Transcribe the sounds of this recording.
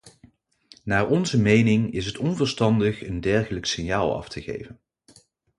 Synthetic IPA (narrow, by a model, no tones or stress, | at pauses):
naːɹɔnzəmejnɪŋɪsɦətɔnvəɹstɑndəχəndɛɹχələksɪnjaːlˠɑ̰ftʰəχḛjvən